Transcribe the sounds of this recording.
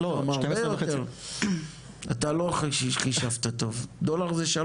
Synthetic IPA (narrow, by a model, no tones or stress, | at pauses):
loamaʁebejoteʁ | at̪aloχʃiʃχiʃavt̪at̪o̞vd̪olaʁzeʃa